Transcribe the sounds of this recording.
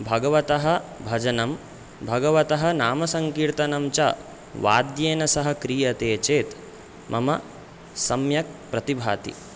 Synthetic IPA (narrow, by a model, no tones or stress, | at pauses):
bʱɐɡɐʋɐt̪ɐɦɐ̆bʱɐd͡ʒɐnɐm | bʱɐɡɐʋɐt̪ɐɦɐ̆naːmɐsɐŋkiːɾt̪ɐnɐmt͡ʃɐ | ʋa̰ːd̪jeːnɐsɐɦɐ̆kɾiːjɐt̪eːt͡ʃeːt̪ | mʔɐmɐ | sɐmjɐk̚pɾɐt̪ibʱaːt̪ḭ